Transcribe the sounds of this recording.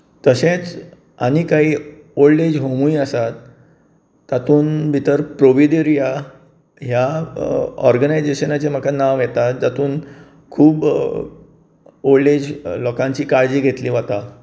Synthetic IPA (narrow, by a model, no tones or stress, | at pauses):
t̪əɕẽt͡s | añikaɦiː | olɖed͡ʑɦomuiəsat̪ː | at̪uːnbʱit̪əɾpɾoʋidiɾija | ɦja | ɔ̰ɾɡənajd͡zeɕənat͡ɕem̤əkanãʋjɛt̪at̪̚d͡zat̪uːn | kʰuːb | oled͡ʑlɔkãɲt͡ɕiːkaɽd͡ʑiːɡʱet̪liːʋat̪a